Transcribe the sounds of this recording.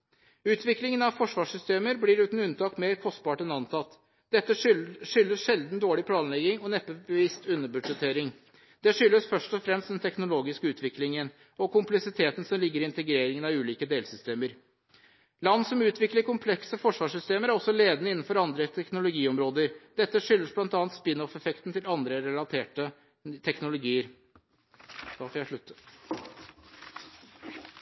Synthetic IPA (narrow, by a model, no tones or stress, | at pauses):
ʉːt̪ʰʋɪklɪŋənɑʋfɔʂʋɑːʂʏst̪eːməɾbliɾʉːt̪n̩ʉnt̪ɑːkmeːɾkʰɔst̪̚bɑːʈɛnɑnt̪ʰɑt̪ː | d̪̥ɛt̪ːəʂʏlːəsʂɛld̪nd̪oːɭɪpʰlɑːnlɛɡːɪŋɔnɛpːəbəʋɪst̪ʉnːəbʉʂət̪ʰeːɾɪŋ | d̪̥ɛʂʏlːəsfœʂʈɔfɾɛmst̪d̪ɛnt̪ʰɛknʊloːɡɪskəʉːt̪ʰʋɪklɪŋən | ɔkʊmplɛksɪt̪ʰeːt̪n̩sɔmlɪɡːəɾɪɪnt̪əɡɾeːɾɪŋənɑʋʉːliːkəd̪eːlsʏst̪eːməɾ | lɑnːsɔmʉːt̪ʋɪkləɾkʊmpʰlɛksəfɔʂʋɑːʂʏst̪eːməɾæɾɔsːɔleːd̪ənəɪnːn̩fɔɾɑnd̪ɾət̪ʰɛknʊlʊɡiːɔmɾoːd̪əɾd̪ɛt̪ːəʂʏlːəsblɑnt̪ɑːnt̪spɪnɔfɛfɛkt̪n̩t̪ɪlɑnd̪ɾəɾɛlɑt̪ʰeːʈə | t̪ʰɛknʊlʊɡiːəɾ | d̪̥ɑfɔjæʂɭʉt̪ːə